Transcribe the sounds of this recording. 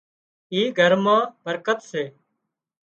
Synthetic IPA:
iːɡʱəɾmãːb̥ʱəɾkət̪seː

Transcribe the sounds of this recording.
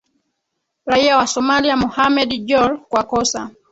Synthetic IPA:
ɾaiawasɔmaliamɔhamɛdd͡ʒɔlkwakɔsa

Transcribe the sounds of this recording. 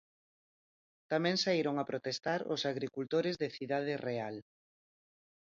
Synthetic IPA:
t̪amɛ̃ŋsaiɾoŋapɾot̪est̪aɾʊ̰saɣɾikult̪oɾɪzðɪθiðað̞ereal

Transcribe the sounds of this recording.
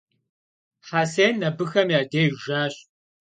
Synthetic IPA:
ħaːseːnːɐbɨxɐmjaːdeːjʒaːɕ

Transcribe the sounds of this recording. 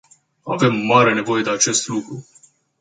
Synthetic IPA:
a̰ve̞mːaɾe̞ne̞vo̞je̞d̪e̞at͡ʃe̞st̪lukɾu

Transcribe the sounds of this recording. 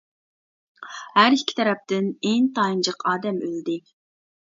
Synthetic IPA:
hæɾikʲʰːi̥t̪ʰɛɾɛp̚t̪ɪneŋt̪ɑind͡ʒəqʰɑːd̪ɛmøld̪ɪ

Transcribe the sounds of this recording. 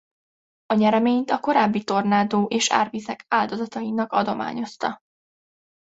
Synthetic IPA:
ɒɲɛɾɛmeːɲt̪ɒko̞ɾaːbːit̪o̞rnaːd̪oːʔeːʃa̰ːrvizɛkaːld̪o̞zɒt̪ɒjinɒkɒd̪o̞ma̰ːɲo̞st̪ɒ

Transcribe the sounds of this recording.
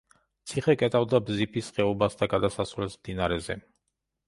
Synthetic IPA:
t̪sʰiχɛkʼɛt̪ʼavd̪abzipʰisχɛɔbasd̪aɡad̪asasvlɛsmd̪inaɾɛzɛ̰

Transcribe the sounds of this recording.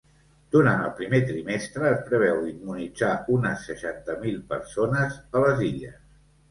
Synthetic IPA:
d̪̥uɾanə̰lˠpɾimet̪ɾimɛst̪ɾəːspɾəβ̞ɛwimmunid͡zaunəsːəʃant̪əmilˠpə̰ɾsonəzələziʎə̰s

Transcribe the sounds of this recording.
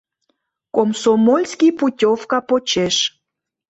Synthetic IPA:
komsomolʲskʲiputʲofkɑpot͡ɕeʃ

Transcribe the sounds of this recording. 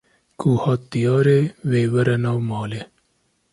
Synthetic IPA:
kuhɑːt̪ːijɑːɾeweːwɐɾɐnawmɑːle

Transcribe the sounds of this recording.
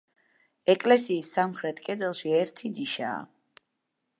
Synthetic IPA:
ɛkʼlɛsiːsːamχɾɛt̪ʰʼkʼɛd̪ɛlˠʃiɛɾt̪ʰiniʃa̰ː

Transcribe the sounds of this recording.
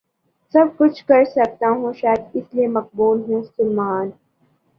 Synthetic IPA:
sɐb̚kʊt͡ʃʰkɐɾsɐk̚t̪aɦũʃaːjəd̪ɪsliemɐq̚buːlɦɛ̃sʊlmaːn

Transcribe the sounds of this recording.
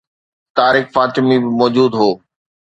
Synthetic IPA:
t̪aːɾɪxfaːt̪ɪmibɪmɔːd͡ʑuːd̪ɦoː

